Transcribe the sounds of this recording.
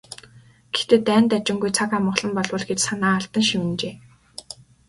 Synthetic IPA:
ɡ̥e̥t̪eːt̪æːnt̪at͡ɕɪ̆ŋɡujt͡sʰakamə̆χɮɞ̆mpɔɮwə̆ɮɡet͡ɕsanaːaɬt̪ə̆ŋʃimɘ̆nt͡ɕeː

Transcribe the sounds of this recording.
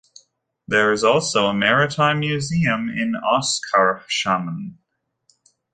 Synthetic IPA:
ðə˞ɨzɔlˠsoʊəmɛɹɨtʰãɪ̃mjʉziɨ̃mɪ̰̃nɑskʰəɹʃamə̃n

